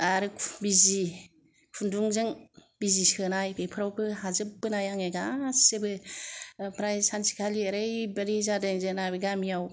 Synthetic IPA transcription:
aɾɯkʰbizi | kʰunduŋzɯŋbizisɯnajpʰepʰɾawpʰɯɦazɯpbɯnajaŋeɡassebɯ | pʰɾajsansi̥kʰalieɾɯjbeɾizadaŋzɯnabɯɡamijaw

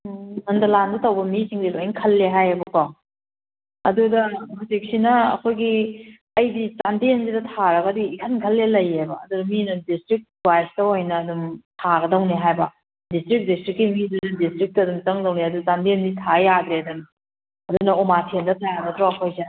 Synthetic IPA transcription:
nɐndɐlandɐtɐwbɐmisiŋdiloiŋkʰɐlːeɦajɐbɐkɔ | ɐdudɐmɐsik̚sinɐɐ̰kʰojɡi | ɐjdit͡ʃandensidɐtʰaɾɐɡɐdiːkʰɐnkʰɐlːelɐjebɐ̰ːdudɐminɐdistɾik̚ | wajstɐojnɐːdumtʰaɡɐdɐwneɦajbɐ | distɾik̚distɾikːimididɐdistɾik̚tɐːdumt͡ʃɐŋdɐwneɐdut͡ʃantenditʰajadɾeɐdun | ɐdunɐomatʰendɐtʰajaɡɐtʰɾawɐkʰojsi

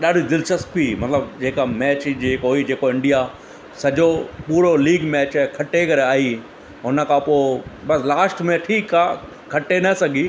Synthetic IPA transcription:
ɗaːɖʱid̪ɪlʃəspimɐt̪ləb̚d͡ʑeːkamɛːt͡ɕd͡ʑeːkoɦid͡ʑeːkoɪ̃ɳɖija | sɐd͡ʑopuːɾoliːɡmɛːt͡ɕkʰɐʈekɐɾeaːɦi | ɦʊnə̆kʰãpoɪbɐslaːsʈmẽʈʰiːka | kʰɐʈenɐsɐɡʱi

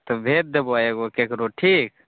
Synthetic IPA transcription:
t̪obʱeːt̪̚d̪eboajeɡokekɾoːʈʰiːk

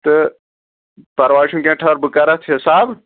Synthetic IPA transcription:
t̪ɐ | pɐɾʋaːʃũːkẽːʈʰaːɾbɨkaɾat̪ʰesaːb

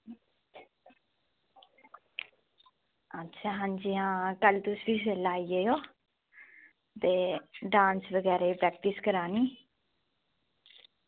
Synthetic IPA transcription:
ətːʃʰaːɦãːnd͡ʒiːɦãːkəlt̪ʊsʋiːs̬elaːiːeːjoː | t̪eːɖãːnsʋəɡɛːɾaːiːpɾɛːk̚ʈɪskəɾaːniː

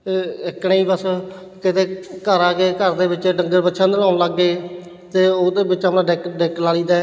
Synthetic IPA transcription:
ɪkɳeːiːbəs | kɪt̪eːkəɾaːkeːkəɾd̪eːbɪt͡ʃːɖəŋɡəɾbətːʃʰãːd̪əlaːnləɡːeː | t̪eːoːd̪eːbɪt͡ʃəpnãːɖɪkɖɪklaːliːd̪aː

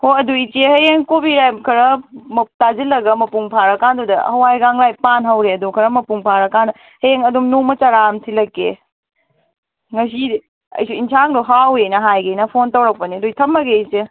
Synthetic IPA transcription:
hoɐduit͡ʃieɦɐjeŋkobiɾajb̚kʰɐɾɐmɐp̚tazilɐɡɐmɐpuŋpʰaɾɐkandudɐhɐwajɡaŋlajpanɦɐwɾeɐdukʰɐɾɐmɐpuŋpʰaɾɐkandɐ | hɐeŋɐdumnumɐt͡ʃɐɾamtʰilɐkːe | ŋɐs̬i | ɐ̰jsuinsʰaŋduɦawejnɐɦajɡenɐpʰontɐwɾɐk̚pɐniɐdujtʰɐmːɐɡeit͡ʃie

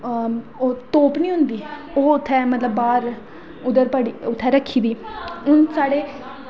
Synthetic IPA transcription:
oːt̪oːpnĩːɦʊ̃nd̪iː | oːʊt̪ʰːɛːmət̪ləbːaːɾ | ʊd̪əɾpəɽiːʊt̪ʰːɛːɾəkʰːiːd̪iːʊnsaːɽeː

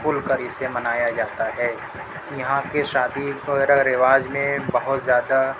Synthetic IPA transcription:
pʊlkəɾisemɐnaːjad͡ʒaːt̪aɦɛː | jɐɦãkeʃaːd̪ioɾəɡɾɪʋaːd͡ʒmẽbɐɦʊt̪zjaːd̪a

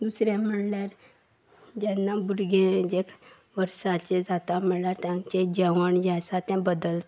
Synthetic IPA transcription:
d̪usɾjãm̤əɽljaɾ | d͡ʑɛnːabuɾɡẽd͡ʑekʰ | ʋəɾsat͡ɕed͡zat̪am̤əɽljaɾt̪jãt͡ɕed͡ʑəʋəɳd͡ʑasat̪ãbəd̪əlt̪

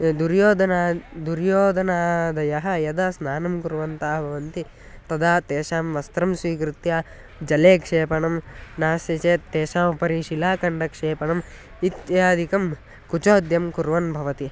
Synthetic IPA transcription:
d̪uɾjoːd̪ʱɐnaːd̪uɾjoːd̪ʱɐnaːd̪ɐjɐɦɐ̆jɐd̪aːsnaːnɐmkuɾʋɐnt̪aːɦbʱɐʋɐnt̪i | t̪ɐd̪aːt̪eːʃaːmʋɐst̪ɾɐmsʋiːkɾut̪jaː | d͡ʒɐleːkʂeːpɐɳɐmnaːsjɐt͡ʃeːeːʃaːmupɐɾiʃilaːkɐɳɖɐkʂeːpɐɳɐm | it̪jaːd̪ʱikɐm | kut͡ʃoːd̪jɐmkuɾʋɐnbʱɐʋɐt̪i

